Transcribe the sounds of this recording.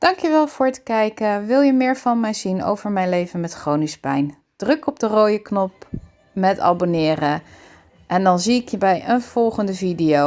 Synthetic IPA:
d̥ɑŋkjəʋɛlˠvʊːɹtə̥kɛjkəʋɪlˠjəmɪːɹvɑnmɛjzino̰wv̥əɹmɛjnlejvənmɛtχrownɪspɛjn | d̥rɵkɔb̚dəroːjəknɔp̚ | mɛtɑ̰bonɪːrə | ʔɛndɑnziɪkjəbɛjənv̥ɔlˠχəndəvidijo

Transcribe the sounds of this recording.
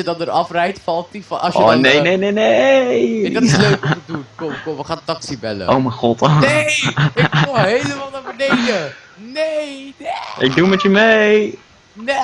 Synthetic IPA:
jədɑndəɾɑfrɛjtfɑlˠttifɑ̰sjəo̰nejnejnejne | løkədutkooʋəχaːntɑksibɛlə̰ʔowmɛjχɔteɪoɦejləmaːlˠnabədɛkə | neeʔɪɡ̚dumɛtjəmej | n

